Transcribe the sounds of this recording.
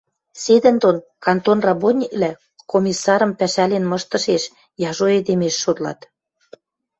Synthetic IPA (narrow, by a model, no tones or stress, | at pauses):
sed̪ə̆nd̪onkɑnt̪onrɑbonʲiklæ | komʲisːɑɾə̆mpæʃælenmɤ̆ʃt̪ɤ̆ʃeʃ | jɑʒoed̪emeʃːod̪lɑ̰t̪